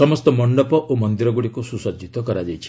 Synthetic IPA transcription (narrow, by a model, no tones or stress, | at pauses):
sɔmɔst̪ɔmɔɳɖɔpɔʔomɔnd̪iɾɔɡuɽikususɔd͡ʒʱit̪ɔkɔɾad͡ʒajt͡ʃʰi̥